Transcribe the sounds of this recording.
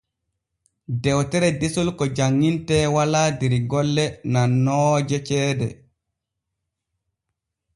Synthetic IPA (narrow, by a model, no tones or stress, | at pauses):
dɛwtɛɾɛdesulkɔd͡ʒaŋːintɛːwalaːdeɾiɡɔlːɛnanːɔːd͡ʒɛt͡ʃɛːdɛ̰